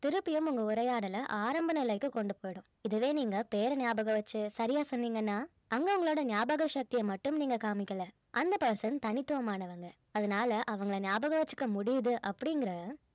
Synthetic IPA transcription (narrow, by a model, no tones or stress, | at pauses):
t̪ɪɾɯpːɪjɯmʊŋɡɐʊɾɐjaːɽɐlɐʔaːɾɐmbɐnɐɪlɐɪkːɯkɔɳɖɯpoːjɽʊ̃ | ɪðɯʋeːniːŋɡɐpeːɾɐnjaːbɐɣɐʋɐt͡ʃːɯsɐɾɪjaːsɔnːiːŋɡɐnːaː | ɐŋɡɐʊŋɡɐɭoːɽɐnɪjaːbɐɣɐʃɐk̚t̪ɪjɐmɐʈːɯmniːŋɡɐkaːmɪkːɐlɐ | ʔɐnd̪ɐpɐɾsɐnt̪ɐnɪt̪ːɯʋɐmaːnɐʋɐŋɡɐ | ɐðɐnaːlɐʔɐʋɐŋɡɐɭɐnɪjaːbɐɣɐʋɐt͡ʃːɯ̥kːɐmʊɽɪjɐðɯʔɐpːɐɽɪŋɡɪɾɐ